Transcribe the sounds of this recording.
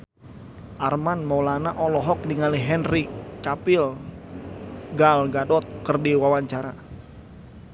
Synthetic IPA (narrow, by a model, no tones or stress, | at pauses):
ʔarmanmɔwlanaʔɔlɔɦɔk̚diŋaliɦɛnrikapɪl | ɡalɡadɔt̪̚kərdiwawaɲt͡ʃaɾa